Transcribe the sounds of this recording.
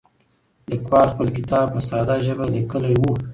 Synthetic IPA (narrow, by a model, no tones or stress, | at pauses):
d̪əkwɑɾxpəlkɪt̪ɑb̚pəsɑd̪ɑʒəbalikəlajwu